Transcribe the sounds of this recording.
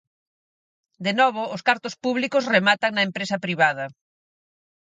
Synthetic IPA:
d̪enɔβ̞ʊːskaɾt̪ʊspuβlikʊsremat̪ɐŋnɐempɾesɐpɾiβað̞ɐ

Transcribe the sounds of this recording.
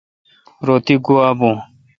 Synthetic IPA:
ɾoːt̪iɡuaːbũː

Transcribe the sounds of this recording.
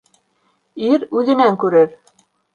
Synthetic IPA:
iɾʉðɘ̆næŋkʉɾɘɾ

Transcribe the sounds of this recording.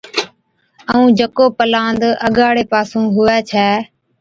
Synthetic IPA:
əũːd͡ʒəkoːpəlãːnd̪əɠaːɽeːpaːsũːɦʊʋɛːt͡ʃʰɛː

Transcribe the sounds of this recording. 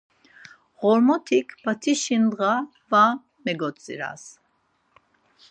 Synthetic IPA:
ʁɔɾmɔt̪ʰikʰbat̪ʰiʃinʁa | va | mɛɡɔt͡sʼːḭɾa̰s

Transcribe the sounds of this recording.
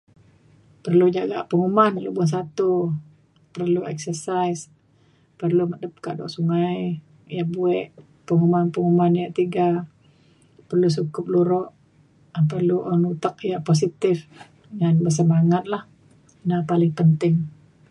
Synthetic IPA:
pərlud͡ʒaɡa̰ʔpəŋumanlubuans̬at̪u | pərluɛk̚sərsajs | pərlumədəp̚ka̰ʔdɔ̰ʔsuŋaj | jaʔbuɛʔ | pəŋumanpəŋumanjaʔt̪iɡa | pərlus̬ukʊp̚luɾɔʔ | pərluʔɔnut̪ak̚jaʔpos̬it̪ɪf | ŋanbəs̬əmaŋat̪̚lah | napalɪŋpənt̪ɪŋ

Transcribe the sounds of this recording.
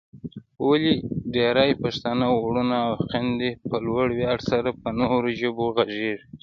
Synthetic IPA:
oliɖeɾajpaʃt̪anaɽunaːwqɪnd̪epəlwaɽwjɑɽsaɾapənoɾoʒəboɣaʒiɾ

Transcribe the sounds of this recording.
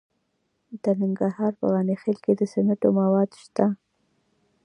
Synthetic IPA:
d̪ənɪŋɡɾahɑɾpə̰ɣɑnexelked̪əsenaʈomawɑd̪ʃt̪a

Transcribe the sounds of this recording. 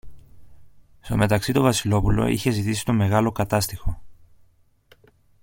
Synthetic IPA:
st̪o̞me̞t̪ɐksit̪o̞vɐsilo̞pulo̞̰ḭçe̞zit̪isi̥t̪o̞me̞ɣɐlo̞kɐt̪ɐst̪ixo̞

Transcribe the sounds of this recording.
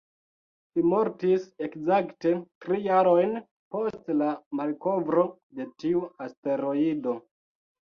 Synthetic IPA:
ʃimo̞ɾtise̞kzakte̞tɾijaɾo̞jn | po̞stlamalko̞vɾo̞ | de̞tiuaste̞ɾo̞ido̞

